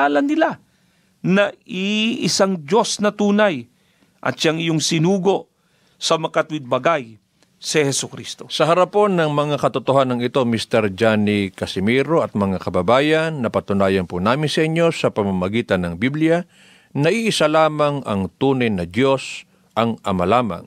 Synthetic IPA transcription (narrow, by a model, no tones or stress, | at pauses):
alɐnːɪla | nɐiʔɪsaŋd͡ʒo̞snɐt̪uːnɐj | ʔɐ̰t̪ʃaŋɪjoŋsɪnuːɡo̞ʔ | sɐmɐkɐt̪wɪd̪̚bɐɡaj | sɐhɛsʊkɾist̪o̞sɐɦɐɾɐpo̞nːɐŋmɐŋakɐt̪ʊt̪oɦanɐŋɪt̪o̞mist̪ɛɾd͡ʒanikɐsɪmɛɾoɐt̪̚mɐŋakɐbɐbaːjanːɐpɐt̪ʊnaːjɐnpʊnaːmɪnsɐʔiɲːo̞sɐpɐmamɐɡiːt̪ɐnɐŋbiblija | nɐʔiʔɪsalaːmɐŋɐ̰ŋt̪uːnɐjnɐd̪jo̞s | ʔɐŋɐmɐlaːma̰ŋ